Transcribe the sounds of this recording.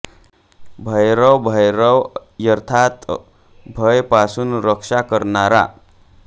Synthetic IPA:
bʱəjɾəwbʱəjɾəwjəɾt̪ʰat̪ | bʱəjpasunɾəkʂakəɾnaɾa̰

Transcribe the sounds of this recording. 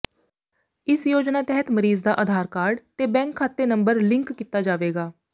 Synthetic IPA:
ɪsjoːd͡ʒnaːt̪ɛɦət̪məɾiːzd̪aːʔəd̪ʱaːɾkaːɾɖt̪eːbɛ̃ːŋkʰːaːt̪ːeːnəmbəɾlɪ̃ŋkːiːt̪aːd͡ʒaːʋeːɡaː

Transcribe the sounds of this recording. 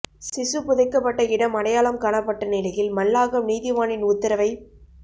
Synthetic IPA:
sɪsɯpʊðɐɪkːɐpːɐʈːɐɪɽɐmɐɽɐjaːɭɐmkaːɳɐpːɐʈːɐnɪlɐjɪlmɐlːaːɣɐmniːðɪʋaːɳɪnʊt̪ːɪɾɐʋɐɪ

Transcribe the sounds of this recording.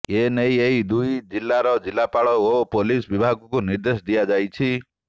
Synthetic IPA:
enejeɦid̪ujd͡ʒilːaɾɔd͡ʒilːapaɭɔopolisbibʱaɡkuniɾd̪esd̪ijad͡ʒajt͡ʃʰi

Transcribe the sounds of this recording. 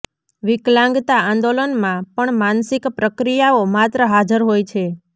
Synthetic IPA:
ʋɪklãŋɡt̪aãnd̪olənmãpəɳmansɪkpɾəkɾijaomat̪ɾəɦad͡ʒəɾɦojt͡ʃʰe

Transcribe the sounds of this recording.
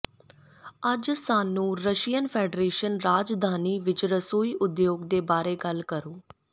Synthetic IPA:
əd͡ʒsaːnũːɾəʃijənpʰɛːɖɾeːʃənɾaːd͡ʒd̪ʱaːniːʋɪt͡ʃɾəsoːiːʔʊd̪joːɡd̪eːbaːɾeːɡəlkəɾoː

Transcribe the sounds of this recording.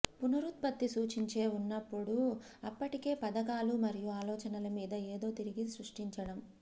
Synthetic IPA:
punɐɾut̪̚bɐt̪ːisuːt͡ʃiɲt͡ʃe̞ːunːɐpːuɽu | ɐpːɐʈike̞ːpɐd̪ɐkaːlumɐɾijuaːlɔːt͡ʃɐnɐlɐmiːd̪ɐe̞ːd̪o̞ːt̪iɾiɡisɾuʂʈiɲt͡ʃɐɽɐm

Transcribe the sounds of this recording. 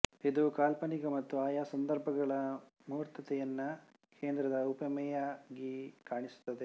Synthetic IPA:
id̪ukaːlpɐniɡɐmɐt̪ːuaːjaːsɐnd̪ɐɾbʱɐɡɐɭɐmuːɾt̪ɐt̪ɛjɐnːɐ | kʰeːnd̪ɾɐd̪ɐupɐmɛjaːɡikaːɳisu̥t̪ːɐd̪e

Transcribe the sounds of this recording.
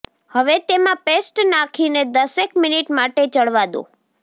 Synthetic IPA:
həʋet̪emãpesʈnakʰined̪əsekminiʈmaʈet͡ʃəɽʋad̪õ̰

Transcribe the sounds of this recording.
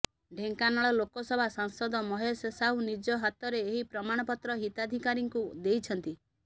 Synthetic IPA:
ɖʱeŋkanɔɭɔlokɔsɔbʱasaŋsɔd̪ɔmɔɦɔsesaɦunid͡ʒɔɦat̪ɔɾeːɦipɾɔmaɽ̃ɔpɔt̪ɾɔɦit̪ad̪ʱikaɾiŋkud̪ejt͡ʃʰɔnt̪i

